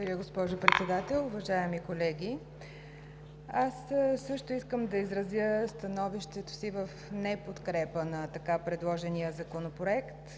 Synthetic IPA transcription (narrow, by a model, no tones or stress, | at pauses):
vɐɾʲəɡospɔʒopɾɛt̪sɛd̪at̪ɛlˠʊvɐʒaɛmikolɛɡʲi | asːɤʃt̪ʊiskəmd̪ɐizɾɐzjəst̪ɐnɔviʃt̪ɛt̪o̥sivəfnɛpot̪kɾɛpənɐt̪ɐkapɾɛd̪lˠɔʒɛnijəzɐkonopɾoɛkt̪